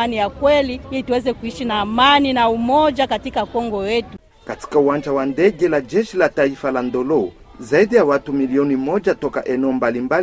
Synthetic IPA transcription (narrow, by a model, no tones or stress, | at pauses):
anijakwɛliilituwɛzɛkuiʃinaːmaninaumɔd͡ʒakatikakɔŋɡɔjɛtu | kati̥kauwand͡ʒawandɛɡɛlad͡ʒɛʃilataifalandɔlɔ | zaiɗijawatumiliɔnimɔd͡ʒatɔka̰ʔɛnɛɔmbalimbal